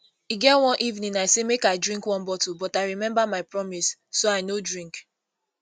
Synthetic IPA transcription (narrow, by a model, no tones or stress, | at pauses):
iɡɛtwɔ̃nʔivnĩnaɪsemekaɪdɹĩŋkwɔ̃nbɔtubɔtaɪɹimɛ̃mbamaɪpɹɔmisːoaɪnodɹĩŋk